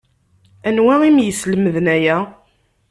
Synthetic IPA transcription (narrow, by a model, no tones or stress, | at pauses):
ænwæimjəsləməðnæjæ